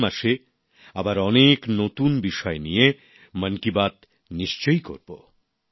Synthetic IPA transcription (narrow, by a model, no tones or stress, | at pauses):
maʃe | abaɾɔneknot̪unbiʃɔenije | mənkibat̪ | niʃt͡ɕojko̰ɾbo̰